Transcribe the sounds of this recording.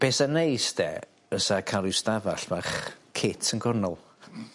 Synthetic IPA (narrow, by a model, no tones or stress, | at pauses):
b̥eːsanejsd̥ɛ̰ː | əsakʰaɾɪstavaɬvaχkʰeːtʰənɡɔrnɔlˠ